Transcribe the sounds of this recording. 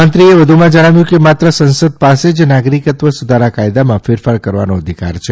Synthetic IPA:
ənt̪ɾieʋəd̪ʱumãd͡ʒəɽ̃aʋjũkemat̪ɾəsə̃nsəd̪̚pased͡ʒnaɡɾikət̪ʋəsud̪ʱaɾakajd̪amãfɪɾfaɭkəɾʋa̰noəd̪ʱika̰ɾt͡ʃʰe

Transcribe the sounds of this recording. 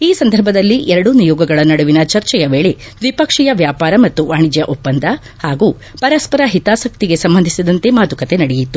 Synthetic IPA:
iːsɐnd̪ʱɐɾbʱɐd̪ɐlːiʔɛɾɐɽunijɔːɡɐɡɐɭɐnɐɽuʋinɐt͡ʃɐɾt͡ʃɛjɐʋe̞ːɭe̞ | ʋipɐkʂɛjɐʋjaːpaːɾɐmɐt̪ːuʋaːɳid͡ʒjɐʔopːɐnd̪ɐ | haːɡuː | pɐɾɐspɐɾɐɦit̪aːsɐk̚t̪iɡe̞sɐmbɐnd̪ʱisid̪ɐnt̪e̞maːd̪ukɐt̪e̞nɐɽejit̪ːu

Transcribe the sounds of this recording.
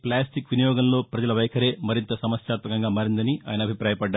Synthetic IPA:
plaːsʈikʋinijɔːɡɐmlo̞ːpɾɐd͡ʒɐlɐʋɐjkʰɐɾe̞ːmɐɾint̪ɐsɐmɐsjaːt̪mɐkɐŋɡaːmɐɾind̪ɐnia̰ːjɐnɐbʱipɾaːjɐpɐɖːa

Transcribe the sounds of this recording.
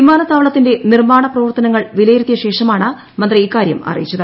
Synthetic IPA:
imaːnɐt̪ːaːʋɐɭɐt̪ːinde̞nirmaːɳɐprɐʋɐrt̪ɐnɐŋːɐɭʋilɐjɾut̪ːjɐɕe̞ːʂɐmaːɳɨ | mɐnd̪rɨiːkːaːɾjɐ̰mɐ̰rɐ̰jit͡ɕːɐðɐ

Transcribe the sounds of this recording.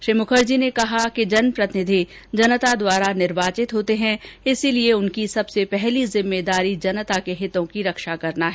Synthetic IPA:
ʃɾiːmʊkʰəɾd͡ʒinekɐɦaked͡ʒɐnpɾɐt̪ɪnɪd̪ʱi | d͡ʒɐnət̪ad̪waːɾanɪɾbaːt͡ʃɪt̪ɦoːt̪eɦɛ̃ɪsilieʊnkisɐbsepɛɦlizɪ̃mːeːd̪aːɾid͡ʒɐnət̪akeɦɪt̪õkiɾɐkʃakɐɾnaɦɛː

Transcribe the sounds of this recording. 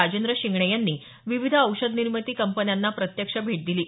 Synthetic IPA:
ad͡ʑend̪ɾəɕiŋɡɳəjanːiː | ʋiʋid̪ʱəwʂəd̪niɾmət̪iːkəmpənjanːapɾət̪jəkʂəbʱeʈ̚d̪iliː

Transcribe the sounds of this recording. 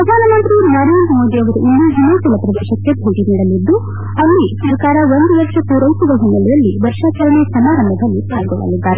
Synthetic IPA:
ɾɐd̪ʱaːnɐmɐnt̪ɾinɐɾenmoːd̪ijɐʋɐɾuʔind̪uɦinuːsulɐpɾɐd̪eːʂɐkːebʱuːʈiniːɽɐlid̪ːu | ɐlːisɐɾɐkaːɾɐond̪ujɐkʂɐpuːɾɐjsud̪ɐɦunːɐlijɐlːiʋɐɾʂaːt͡ʃɐɾɐnesɐmaːɾɐmbʱɐd̪ɐlːit̪aːjɡɔɭːɐ̰lid̪ːaːɾe

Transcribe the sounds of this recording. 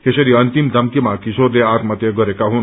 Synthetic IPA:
t̪esʌɾiʌnt̪imd̪ʱʌmkimakisod̪eaɾmʌt̪jʌɡʌɾekaɦun

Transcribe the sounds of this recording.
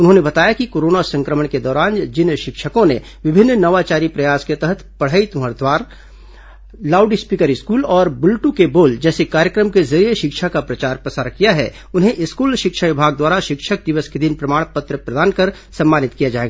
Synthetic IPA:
ʊnɦõnebɐt̪aːjakikoːɾoːnasɐ̃ŋkɾəməɳ̃ked̪ɔːɾaːnd͡ʒɪnʃɪkʃəkõne | ʋɪbʱɪnːnɐʋat͡ʃaːɾipɾɐjaːsket̪ɐɦət̪ʰpɐɽ̤ɦəit̪ũɦəɾd̪waːɾ | laːʊɖispiːkəɾɪskuːlɔːɾbʊlʈukeboːld͡ʒɛːsekaːɾjəkɾəmkezɐɾijeʃɪkʃʰakapɾɐt͡ʃaːɾpɾɐsaːɾkijaɦɛ̰ | ʊnɦẽʔɪskuːlʃɪkʃaʋɪbʱaːɡ̚d̪waːɾaʃɪkʃʰək̚d̪ɪʋəsked̪ɪnpɾɐmaːɽ̃pɐt̪ɾəpɾɐd̪aːnkɐɾ | sɐ̃mːaːnɪt̪kijad͡ʒaːeːɡaː

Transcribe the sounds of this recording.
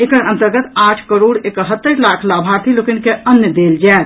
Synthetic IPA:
ekəɾə̃nt̪əɾɡət̪aʈʰkəɾoːɽekəɦət̪ːəɾlakʰlabʱaɾt̪ʰilokinkeənjəd̪eld͡ʒaːt̪

